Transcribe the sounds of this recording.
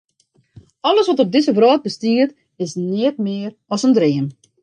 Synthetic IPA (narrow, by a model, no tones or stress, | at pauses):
ɔləsʋɔtɔb̚dɪzəvrɔːt̚bəstiət | ɪsnɪətmɪər | ɔsəndɾɪəm